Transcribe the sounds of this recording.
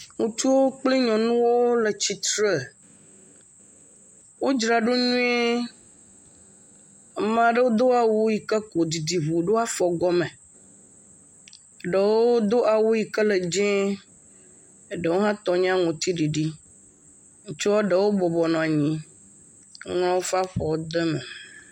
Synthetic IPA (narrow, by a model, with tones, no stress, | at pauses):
ŋũ˨t̪u˦wo˦k͡pli˦ɲɔ̃˨nũ˦wo˦le˨t͡ɕi˨t̪ɾe˦˨ | wo˦d͡ʒɾa˨ɖo˦ɲũ˦e˦ | mã˨ɖə˦wo˦d̪o˦a˨wu˦ji˨kə˦ko˨di˨di˨βu˨ɖo˦a˦fɔ˨ɡɔ˦mẽ˨ | ɖə˨woo˦d̪o˦ʔa˨wu˦ji˨kə˦lə˨d͡ʒɛ̃˦ | ɖə˨wo˦ɦã˦t̪ɔ˨ɲ˦ã˦ŋɔ̃˨t̪i˦ɖi˨ɖi˦ | ŋ̩˦t͡ʃɔ˦ɖə˨wo˦bɔ˨bɔ˨nɔ̃˨a˨ɲĩ˦ | ŋlɔ̃˦wo˦fa˦ɸɔ˨wo˦d̪e˦mɛ˨